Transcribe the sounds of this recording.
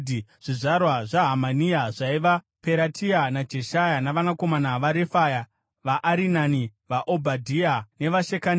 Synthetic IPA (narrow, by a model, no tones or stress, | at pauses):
ʐ̥iʐarwaʐaɦamaniaʐaiʋa | peɾatʰianad͡ʒe̞ʃajanaʋanako̞manaʋaɾefaja | ʋaʔːɾinaniʋaʔobʱadʱiane̞ʋaʃekan